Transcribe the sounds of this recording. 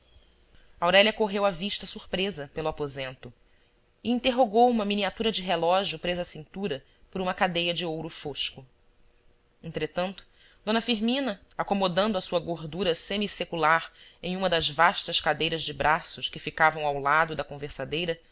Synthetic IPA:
awɾɛlʲɐkoɦewɐviʃt̪ɐsuɾpɾezɐpelʊapozẽnt̪ʊ | ɪĩnt̪eɦoɡowũmɐminiat̪uɾɐd͡ʒɪɦelɔʒjʊpɾezɐasĩnt̪uɾɐ | poɾũmɐkad̪ejɐd͡ʒɪowɾʊfoʃkʊ | ẽnt̪ɾet̪ɐ̃nt̪ʊ̥ | d̪õnɐfiɾmĩnɐ | akomod̪ɐ̃nd̪ʊɐsuɐɡoɾd̪uɾɐsemisekulaɾẽj̃ũmɐd̪ɐzvaʃt̪ɐʃkad̪ejɾɐzd͡ʒɪbɾʔasʊʃkɪfikavɐ̃w̃awlad̪ʊd̪ɐkõveɾsad̪ejɾɐ

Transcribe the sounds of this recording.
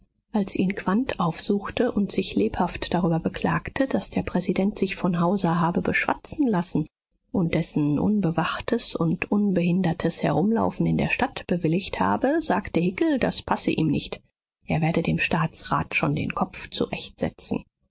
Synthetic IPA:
ʔalsʔiːnkv̥antʰʔaʊfz̥uːxtəʔʊntz̥ɪçleːphaftd̥aʁ̞yːbɐbəkʰl̥aːktʰəd̥asd̥eːɐpʁ̥ɛzidɛntz̥ɪçfɔnɦaʊzɐɦaːbəbəʃv̥a̰t͡sn̩lasn̩ | ʔʊnt̚d̥ɛsn̩ʔʊ̰nbəvaχtʰəsʊntʔʊnbəɦɪndɐtʰəshɛ̰ʁʊmla̰ʊfn̩ɪndeːɐʃtatb̥əvɪlɪçtha̰ːbəzaːktəhɪkl̩daspʰasəʔḭːmnɪçt | ʔeːɐveːɐdədeːmʃtaːt͡sʁa̰ːtʃoːndḛːnkʰɔpp͡ft͡sṵʁɛ̰çtz̥ɛ̰t͡sn̩

